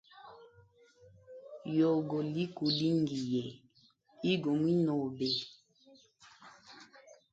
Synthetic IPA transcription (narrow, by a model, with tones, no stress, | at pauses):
jo˨ɡo˨li˦ku˨li˦ŋɡi˨jɛ˨ | i˦ɡo˨mwi˦nɔ˨be˨